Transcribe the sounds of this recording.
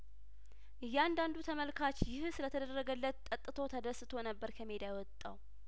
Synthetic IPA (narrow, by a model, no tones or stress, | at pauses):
ʔɨjːɛand̪and̪ut̪ʰəməlkʰat͡ʃjɪhsɨlət̪ʰəd̪ərːəɡəlːət̪ʼːət̪ʼːɨt̪ʰo̞t̪ʰəd̪əsɨt̪ʰo̞nəbːəɾkʰəmed̪ajwɔt̪ʼːaw